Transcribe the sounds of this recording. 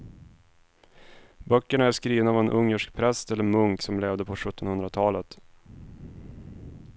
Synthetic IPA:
bœkːəɳaæʂkɾiːvənaavɛnʔɵŋːəʂk̚pʰɾɛst̪ɛlːəɾmɵŋksɔmleːvd̪əpʰɔɧɵt̪ːɔnhɵnd̪ɾat̪ʰɑːlət̪

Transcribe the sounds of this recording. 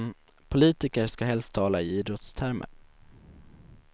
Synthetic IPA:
pʰʊliːt̪ɪkəɾʂkaɦɛlst̪ʰːɑːlaɪiːd̪ɾɔt̪st̪ʰæɾmə̰

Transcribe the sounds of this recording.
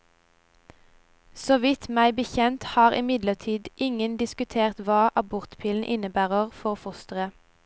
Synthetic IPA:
soːʋɪt̪mæɪbəçɛnt̪hɑːʁʔɪmɪd̪ləʁt̪ʰiːd̪ʔɪŋənd̪ɪskʉt̪ʰeːʁt̪ʋɑːʔɑbɔʁt̪pʰiːln̩ʔɪnəbæːʁəʁfɔʁfʊst̪ʁə

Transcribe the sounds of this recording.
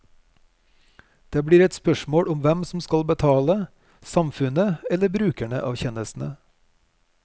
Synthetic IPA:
d̪̥eːbɽiːɾɛt̪spœʃmoːɽʔʊmʋɛmsm̩skɑlbət̪ʰɑːlə | sɑmfʉnəɛləbɾʉːkæɳə̰ʔɑːʋçɛnəsn̩ə

